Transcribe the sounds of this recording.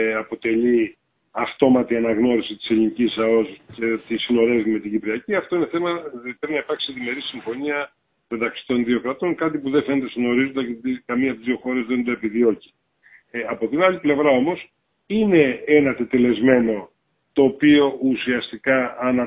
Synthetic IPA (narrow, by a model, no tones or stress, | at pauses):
ɐpo̞t̪e̞ʎi | ɐft̪o̞mɐt̪iɐnɐɣno̞ɾisit̪i̥se̞linicisɐo̞scet̪isino̞ɾe̞vime̞t̪iɟipɾiɐciɐft̪o̞ine̞θe̞mɐpɾepinɐipɐɾksiðime̞ɾisiɱfo̞niɐ | me̞t̪ɐksi̥t̪o̞nðio̞kɾɐt̪o̞ŋkɐt̪ipuðefenet̪esno̞ɾizond̪ɐot̪ikɐmiɐpt̪izðio̞xo̞ɾe̞zðend̪oepiðio̞ci̥ | ɐpo̞t̪inɐliple̞vɾɐo̞mo̞s | ine̞enɐt̪et̪e̞le̞zme̞no̞ | t̪o̞ːpio̞usiɐst̪ikɐːnɐ